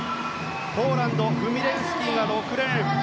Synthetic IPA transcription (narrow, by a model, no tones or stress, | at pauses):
poːɾãnd̪o̞ɡɯ̟mʲid̪ẽɰ̃sɨ̥kʲinad̪o̞ːkɯ̟ɾe̞ɾɯ̟